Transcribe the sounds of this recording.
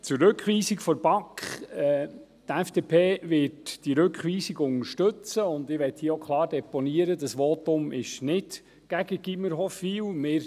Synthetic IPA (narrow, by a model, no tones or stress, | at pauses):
t͡sʊɾːɵkχʋiːsikfɔɾb̥ɑkχɛ | tæfd̥epʰeːʋɪtd̥iɾɵkχʋiːsiɡʊŋəɾʃtɵt͡səʊnd̪ɪʋɛthiəokʰlˠɑːɾdɛponiəɾədəsʋɔtʊmɪʃnɪd | ɡ̥æɡəɡ̥iməɾɦɔfiːwmɪːɾ